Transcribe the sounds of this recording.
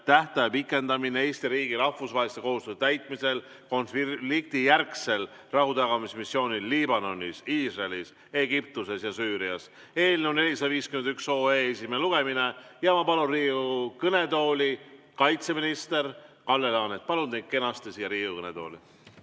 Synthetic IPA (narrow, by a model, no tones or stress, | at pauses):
t̪æht̪ɑjɑpikːˑe̞nd̪ɑminee̞ːst̪iɾiːɡ̥iɾɑfvusvɑɦelist̪eko̞hust̪øst̪æjt̪ˑmise̞lko̞nfilik̚t̪ijærksel | rɑhut̪ɑɡɑmismisːjo̞ːnilːibɑno̞nʲːisiːsrelis | e̞ɡ̥ip̚t̪use̞sjɑsyːɾiɑs | e̞ːlneone̞lʲisɑd̪ɑviːskymend̪ykso̞ːeesimeluɡ̥e̞mine̞jɑmɑpɑlunriːukɤne̞t̪o̞ːlʲi | kɑjt̪se̞minist̪e̞rkɑlːe̞lɑːnet̪̚pɑlund̪ejd̪̥̚ke̞nɑst̪esiːjɑɾiːukɤne̞d̪o̞̰ːli